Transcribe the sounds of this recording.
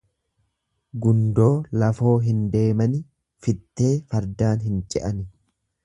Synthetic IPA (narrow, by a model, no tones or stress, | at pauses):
ɡʊnd̪o̞ːlɐfo̞ːɦɪnd̪e̞ːmɐnɪ | fɪt̪ːe̞ːfɐɾd̪aːnɦɪnt͡ʃʼɛʔɐnɪ